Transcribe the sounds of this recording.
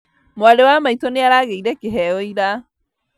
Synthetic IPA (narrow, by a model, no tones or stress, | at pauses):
moalewamaitɔneaɾaɣeiɾɛkeɦɛjɔiɾa